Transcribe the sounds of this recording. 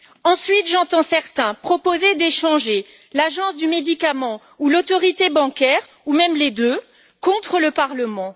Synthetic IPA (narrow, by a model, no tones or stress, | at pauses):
ɑ̃sɥit̪ʒɑ̃t̪ɑ̃sɛʁt̪ɛ̃pχɔpozed̪eʃɑ̃ʒe | laʒɑ̃sd̪ymed̪ikamɑ̃ | ulot̪ɔʁit̪ebɑ̃kʲɛʁ | umɛmled̪ø | kɔ̃t̪χələpaʁləmɑ̃